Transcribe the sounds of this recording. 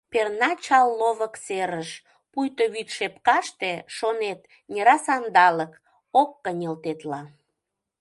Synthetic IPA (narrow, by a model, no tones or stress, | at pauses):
pernɑt͡ɕɑlːoβəkseɾəʃ | pujt̪oβit̪ʃepkɑʃt̪eʃonet̪ | nʲeɾɑsɑnd̪ɑlək | okːənʲelt̪et̪lɑ